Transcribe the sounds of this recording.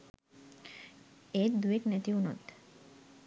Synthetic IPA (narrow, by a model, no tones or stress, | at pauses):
eːt̪d̪ueknɛt̪iunɔt̪